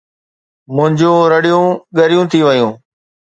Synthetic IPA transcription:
mʊ̃ɦɪ̃ɲd͡ʑũːɾəɽijũːɠəɾjũːt̪ʰiːʋəjũː

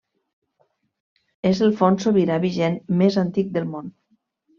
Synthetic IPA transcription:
ezəlˠfonsoβiɾaβiʒenmezant̪ik̚d̪əlˠmon

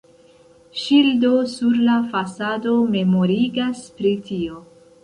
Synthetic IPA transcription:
ʃildo̞suɾlafasado̞me̞mo̞ɾiɡaspɾitio̞

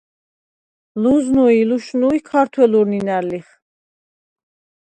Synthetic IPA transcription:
luznuiluʃnuikʰaɾt̪ʰwɛluɾninæɾliχ

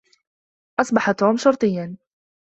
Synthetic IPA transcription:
ʔɑsˤbɑħat̪ːuːmʃʊɾˤt̪ˤɨjːan

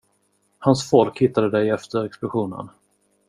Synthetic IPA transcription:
hansfɔlkhɪt̪ːad̪əd̪ɛjɛft̪əɾɛksplʊɧuːnə̰n

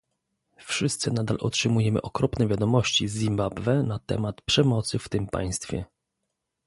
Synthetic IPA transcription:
fʂɘst̪sɘnad̪alʔɔ̰tʂɘmujɛmɘ̰ʔɔkɾɔpnɛvʲjad̪ɔmɔɕt͡ɕizʲːimbabvɛnat̪ɛ̰mat̪pʂɛmɔt̪sɘft̪ɘmpa̰j̃st̪fʲjɛ̰

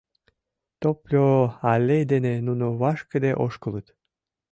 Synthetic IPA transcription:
t̪oplʲoɑlʲejd̪enenunuβɑʃkə̆d̪eʔoʃkələt̪

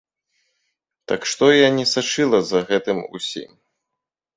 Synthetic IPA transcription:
t̪akʂt̪ɔjanʲɛsat͡ʂɨlˠɐzɐɣɛt̪ɨmṵsʲḭm

